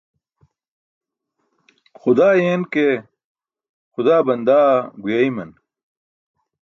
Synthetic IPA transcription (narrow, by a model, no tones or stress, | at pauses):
xʊd̪aːjeːnke | xʊd̪aːbɐnd̪aːɡujaimɐn